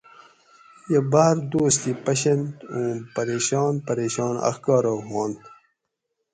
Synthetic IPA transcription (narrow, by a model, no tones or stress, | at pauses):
jebaːɾd̪oːst̪ipɐɕɐnt̪ũːpɐɾeːɕɑːnpɐɾeːɕɑːna̰xkɑːɾoɦɑːnt̪